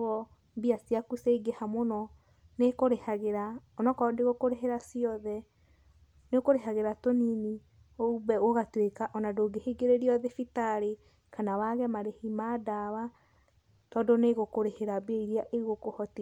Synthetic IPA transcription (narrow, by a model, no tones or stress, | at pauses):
ɔ | biasiakuseiɡehamonɔ | nekoɾehaɣeɾaonɔkɔdeɣokoɾeɦeɾasiɔðɛ | nekoɾeɦaɣeɾatonini | oubɛoɣatwekaʔɔnadoɡeheɡeɾeɾiɔðefitaɾe | kanawaɣɛmaɾehimaːdawa | tɔdoneɣokoɾeheɾabeiɾiaʔeiɣokohɔti